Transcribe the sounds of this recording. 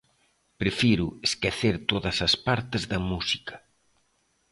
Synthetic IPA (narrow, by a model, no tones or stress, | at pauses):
pɾefiɾueskeθeɾt̪oðɐsɐspaɾt̪ɪzðɐmusikɐ̥